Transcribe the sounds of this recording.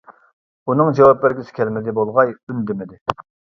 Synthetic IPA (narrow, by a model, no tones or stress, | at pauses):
unɨŋd͡ʒɛwɑp̚bɪɾɡʲisɪ̥kʲʰɛlmɪd̪ɪbolˠʁɑjynd̪ɪmɪd̪ɪ